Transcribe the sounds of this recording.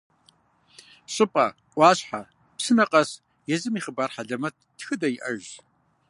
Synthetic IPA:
ɕʼɨpʼɐ | ʔʷɑːɕħa | psɨnɐqʼɐs | jɛzɨmiːχəbaːrħaɮɐmɐttxɨdɐjɪʔɐʒ

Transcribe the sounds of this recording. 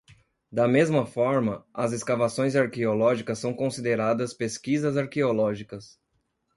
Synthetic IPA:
d̪ɐmezmɐfɔɾmɐɐzeskavasõj̃zaɾkeolɔʒikɐsːɐ̃w̃kõsid̪eɾad̪ɐspeskizɐzaɾkeolɔʒikɐs

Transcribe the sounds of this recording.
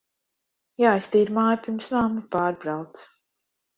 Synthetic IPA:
jaːjst̪iːɾmaːjpʲiɾmsmaːmupaːɾbɾawt̪s

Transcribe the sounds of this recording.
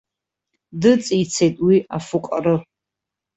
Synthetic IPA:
dɨt͡sʼijt͡sʰejtʼwiafuqʼarɨ

